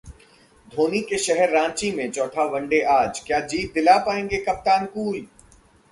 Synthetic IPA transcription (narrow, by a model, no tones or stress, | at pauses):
d̪ʱoːnikeʃɛɦɛɾːãːɲt͡ʃimẽt͡ʃɔːʈʰaʋɐ̃ɳɖeʔaːd͡ʒkjaːd͡ʒiːt̪̚d̪ɪlapaːẽːŋɡekɐp̚t̪aːnkuːl